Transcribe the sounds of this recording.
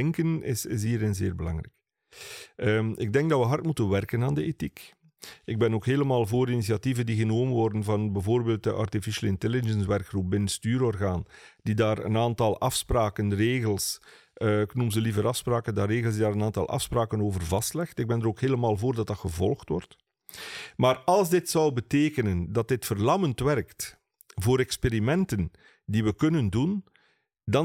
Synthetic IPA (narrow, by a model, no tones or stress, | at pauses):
ɛŋkənɪ̰sɪ̰s̬ɦiːɾɪnzeːrbəlɑ̰ŋrɛ̰k | əmɪ̰ɡ̚dɛŋɡdɑʋəɦɑrtmutənʋɛrkənaːndəetik | ɪɡ̚bɛnoːkɦeːləmaːlˠvoːɾinisijɑtivəndiɣənoːmənʋɔrdənvɑnbɛvoːrbeːlˠt̚dəʔɑ̰rtifiʃəlˠɪntɛlɪd͡ʒənsʋɛrkxrup̚bɪnəstyːɾɔrɣaːnd̥idaːɾə̰naːntɑlˠʔɑfspraːkənreːɣəlˠs | ɪknumzəlivəɾɑfspraːkəndaːreːɣəlˠzdidaːɾənaːntɑ̰lˠʔɑ̰fspraːkənoːvərvɑstlɛxtɪɡ̚bɛndəɾoːkheːləmaːlˠvoːrdɑt̚dɑtxəvɔlˠxtwɔrt | maːrɑlˠzdɪtsʌwbəteːkənəndɑt̚dɪtfərlɑməntʋɛrkt | voːɾɛkspeɾimɛntən | diʋəkɵnəndun | dɑ